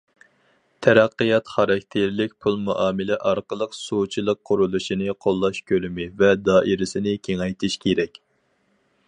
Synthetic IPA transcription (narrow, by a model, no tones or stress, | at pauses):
t̪ʰɛɾæqːɨjɑt̪χɑɾɑkʲt̪ʰeɾlɪk̚ʲpʰulˠmuʔɑːmɨlɛʔɑɾqəlˠəqsut͡ʃʰilˠəqʰːʊɾulˠuʃinɨqʰolˠːɑʃkʲølymɪvɛd̪ɑːʔiɾɪsɪnɪkʲʰeŋɛjt̪ʰɪʃkʲʰeɾɛkʲ